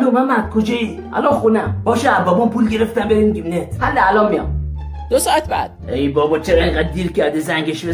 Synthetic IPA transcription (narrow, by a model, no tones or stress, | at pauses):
lomænmæt̪̚kʰod͡ʒɔi | æ̰lɔnxunæmb̥ɔʃɛabɔbɔmpulɟeɾeft̪æmbeɾimiɡiminehælːeælɔmːijɔ̰m | d̪osɔat̪̚bæ̰d̪̥eibɔbɔt͡ʃeɾɛẽŋɡad̪̚d̪iɾkæɾd̪ezæŋɟeʃbe